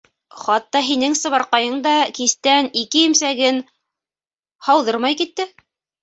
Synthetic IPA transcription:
χɑt̪ːɑɦinɘŋsɤ̆βɑɾqɑjɤɴd̪ɑkist̪ænikɘjimsæɡɘn | hɑwðɤɾmɑjkit̪ːɘ

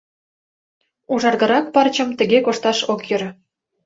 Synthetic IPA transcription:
uʒɑrɣɤ̆ɾɑk̚pɑrt͡ɕɤ̆mt̪ə̆ɣekoʃt̪ɑʃokjøɾ

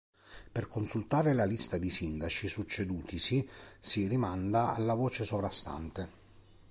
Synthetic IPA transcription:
perkonsult̪aːɾelalist̪ad̪isind̪at͡ʃisut͡ʃːed̪uːt̪isisirimand̪aa̰lːavɔːt͡ʃesovɾast̪a̰nt̪e

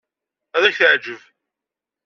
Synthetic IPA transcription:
æðæçəʕd͡ʒəv

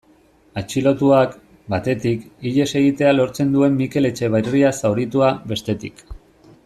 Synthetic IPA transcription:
at͡ʃilo̞t̪uak | bat̪e̞t̪ikiʎe̞se̞ɣ̞it̪e̞alo̞ɾt͡se̞nd̪ue̞mːike̞le̞t͡ʃe̞β̞ajriasawɾit̪uaβe̞st̪e̞t̪ik

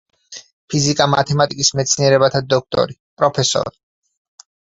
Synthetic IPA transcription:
pʰizikʼamat̪ʰɛmat̪ʼikʼismɛt̪sʰniɛɾɛbat̪ʰad̪ɔk̚ʰt̪ʼɔ̰ɾipʼɾɔpʰɛsɔ̰ɾi

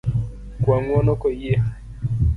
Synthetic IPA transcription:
kwaŋwɔnɔkɔije

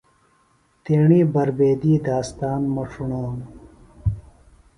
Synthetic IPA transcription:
t̪eːɳiːbɐɾbeːd̪iːd̪aːst̪aːnmɐʂʰuɳaːm

